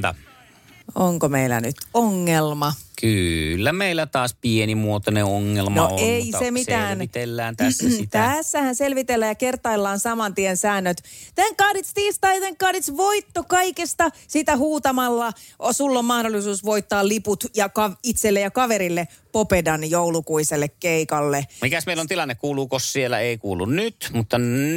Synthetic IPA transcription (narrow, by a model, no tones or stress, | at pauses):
t̪ɑ̰ | oŋkomeilæ̰nyt̪oŋːelmɑkylːæmeilːˑæt̪ɑːspienimuot̪oneoŋːelmnoeisemisæːnt̪elːæːnt̪æsːæsit̪æsːæhænselʋit̪elːæjɑkert̪ɑilːɑːnsɑmɑnt̪iensæːnːøt̪t̪eŋkkɑhdit̪st̪iːst̪ɑijɑt̪eŋkkɑhdit̪sʋoit̪ːokɑikest̪ɑsiːt̪æhuːt̪ɑmɑlːɑosulːommɑhdolːisuːsʋoit̪ːɑːlliput̪jɑkɑʋit̪selːejjɑkɑʋeɾilːe | popedɑnjoulukuiselːekkeikɑlːemikæsmeilːˑont̪ilɑnːekkuːluːkossielːæ̰eˑikuːlːˑṵnnyt̪mut̪ːɑ